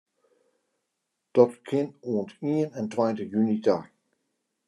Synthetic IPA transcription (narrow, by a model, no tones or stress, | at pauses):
d̥ɔtkʰɪnuəntiənɛntwajntəjynitaːk